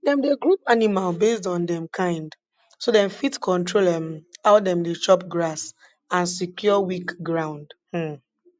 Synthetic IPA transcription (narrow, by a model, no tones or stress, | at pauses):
dɛ̃mdeɡɹupanimalbesdɔ̃ndɛ̃mkʰãɪ̃nd | sodɛ̃nfitkʰɔ̃ntɹolɛ̃maʊdɛ̃mdet͡ʃɔp̚ɡɹas | ãnsikjɔɔwikɡɹãʊ̃ndh̩